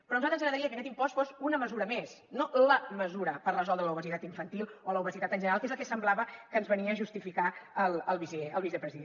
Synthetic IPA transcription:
pɾɔnuzat̪ənzəɣɾəðɾiəkəkɛt̪impɔsfosunəməzuɾəmes | noləməzuɾəpərrəzɔlˠd̪ɾələuβəzit̪at̪iɱfənt̪ilˠoləuβəzit̪at̪ənʒənəɾalˠkezlˠkɛsəmblaβəkənzβəniəːʒust̪ifikaəlˠəlˠβizeəlˠβizɛpɾəziðe

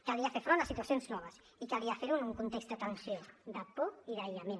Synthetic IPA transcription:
kaliafeɾfɾonasit̪uasjonznɔβɐs | ikaliafeɾunuŋkunt̪ekst̪d̪ət̪ɐnsjod̪apoiðaʎamẽn

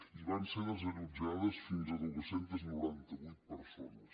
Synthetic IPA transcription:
iβanseðəzəlud͡ʒaðəsfinzəðuβəsent̪əznuɾant̪əβujt̪̚pəɾsonəs

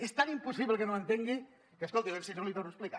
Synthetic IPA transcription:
est̪animpusiβlekənoent̪eŋɡi | keskolˠt̪iβemsisolit̪onuəsplika

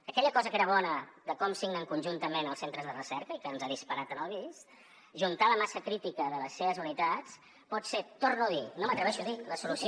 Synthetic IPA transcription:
əkɛʎəkɔzəkeɾəβɔnəðəkɔmsiɣnəŋkunʲʒunt̪əmenəlˠsent̪ɾəzðərəsɛɾkəikəːnzaðispəɾat̪ənəlˠβis | ʒunt̪aləmasəkɾit̪ikəðələsːeβəzunit̪at͡s | pɔt̪set̪ornuəðinomət̪ɾəβɛʃuðiləsulusi

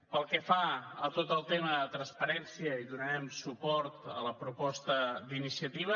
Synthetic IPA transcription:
pəlˠkəfaət̪ot̪əlˠt̪eməðət̪ɾənspəɾɛnsiəiðunəɾɛmsupɔɾt̪ə̰ləpɾupɔst̪əd̪inisiət̪iβ̞ə

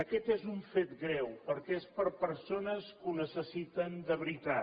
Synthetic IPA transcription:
əkɛt̪ezuɱfet̪ɡɾɛwpəɾkɛespəɾpəɾsonəskunəsəsit̪ənd̪əβɾit̪a

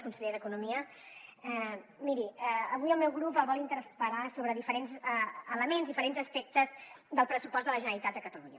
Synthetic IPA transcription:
kunsəʎeðəkunumiə | ɛmiɾiɛəβujəlˠmɛwɣɾupəlˠβɔlˠint̪əɾpəɾasoβɾəðifəɾenzəələmenzðifəɾenzəspɛk̚t̪əzd̪əlˠpɾəsupɔzt̪d̪ələʒənəɾit̪at̪d̪əkət̪əluɲə

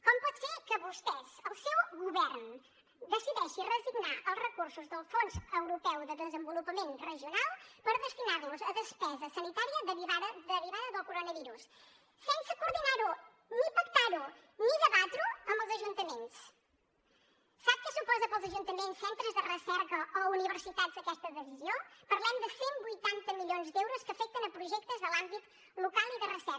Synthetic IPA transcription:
kɔmpɔt̪sekəβust̪ɛzəlˠsɛwɣuβɛɾn | d̪əsiðɛʃirəziɣnaʔəlˠzrəkuɾsuzðəlˠsfonzəwɾupɛwðəðəzəmbulupəmenrəʒjunalˠpəɾðəst̪inaɾluzəðəspɛzəsənit̪aɾiəðəβiβaððəβiβaðəðəlˠkuɾonəβiɾus | sensəkuɾðinaɾu | nipəkt̪aɾuniðəβat̪ɾuəmbəlˠzəʒunt̪əmens | sap̚kəsupɔzəpəlˠzəʒunt̪əmensːent̪ɾəzðərəsɛɾkəouniβəɾsit̪at̪zðəkɛst̪əðəsiziopəɾlɛmd̪əsembujt̪ant̪əmiʎonzd̪ɛwɾuskəfɛk̚t̪ənəpɾuʒɛk̚t̪əzðəlˠambit̪ | lukalˠiðərəsɛ

